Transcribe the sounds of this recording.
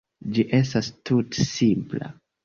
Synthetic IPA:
d͡ʒiʔe̞stastutsimpla̰

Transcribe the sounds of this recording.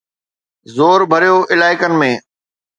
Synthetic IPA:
zoːɾbʱɐɾijoʔɪlaːɪkənɪ̆mẽː

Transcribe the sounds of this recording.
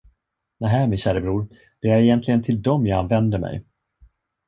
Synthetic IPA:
næɦæːmɪnɕæːɾəbɾuːɾ | d̪̥ɛæɾɛjɛnt̪ʰlɪɡənt̪ʰɪld̪ɔmjɑanvɛnd̪əɾmɛ̰j

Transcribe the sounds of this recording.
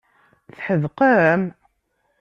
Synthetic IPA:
θħəðqəɾəm

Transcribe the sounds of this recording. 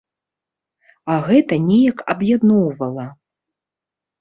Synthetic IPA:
ɐɣɛt̪ɐnʲɛjɐkɐbjad̪nɔwvɐlˠɐ

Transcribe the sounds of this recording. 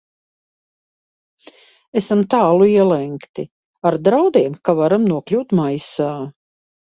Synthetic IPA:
esamt̪aːlˠuiɛlɛŋkt̪i | aɾd̪ɾawd̪iɛmkavaɾamnuɔklʲuːt̪majsaː

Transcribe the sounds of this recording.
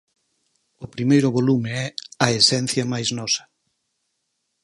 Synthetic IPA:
ʊpɾimejɾʊβolumɪɛɐesɛn̟θjɐmajznɔsɐ̥

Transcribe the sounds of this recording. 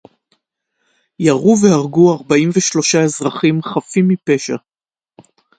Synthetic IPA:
jaʁuvehaʁɡuaʁbaimveʃlo̞ʃaezʁaχimχafimːipe̞ʃa̰

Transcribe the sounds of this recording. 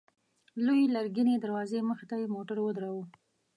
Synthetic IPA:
lojilaɾɡined̪aɾwɑzeməxɪt̪ajemoʈaɾwəd̪ɾawu

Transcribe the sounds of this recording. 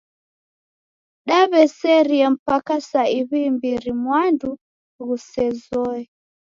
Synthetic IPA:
ɗaβɛsɛɾiɛm̩pakasaiβimbiɾimwandu | ɣusɛzɔɛ

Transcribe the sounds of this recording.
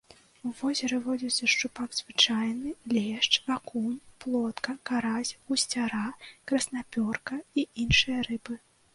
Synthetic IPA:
uvɔzʲɛɾɨvɔd͡zʲisʲɐʂt͡ʂupaɡz̥vɨt͡ʂajnɨlʲɛʂt͡ʂakunplˠɔt̪kɐkaɾazʲɣusʲt͡sʲaɾakɾɐsnapʲɔrkɐiʔinʂɨjɐɾɨbɨ

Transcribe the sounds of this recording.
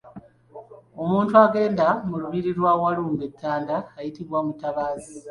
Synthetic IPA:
o̞muːntuaɡe̞ːndamuluβiɾiɾwawaluːmbet̪ʰːaːndaːjitiβwamutaβaːzi

